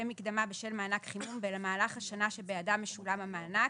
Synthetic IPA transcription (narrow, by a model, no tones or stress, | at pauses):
emikd̪amabeʃelmaːnakχimumbelamaːlaχhaʃanaʃebejadamːeʃulamamaːna